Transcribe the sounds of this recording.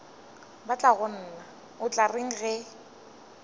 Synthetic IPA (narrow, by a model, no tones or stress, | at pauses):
bat͡ɬʼaɣʊn̩ːna | ʊt͡ɬʼareŋ̩ɣɛ